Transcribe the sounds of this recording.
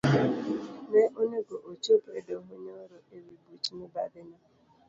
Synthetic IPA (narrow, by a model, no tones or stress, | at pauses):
neʔoɲeɡoʔot͡ʃopedoɦoɲoɾoʔeɾibut͡ʃineba̰dɪɲa